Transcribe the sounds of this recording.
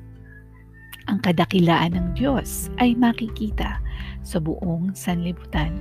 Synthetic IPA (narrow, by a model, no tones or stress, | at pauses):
ʔɐŋkɐd̪akɪlaːʔɐnɐŋd̪jo̞sʔɐjmɐkɪkiːt̪ɐsɐbʊʔo̞ŋsɐnlɪbʊt̪an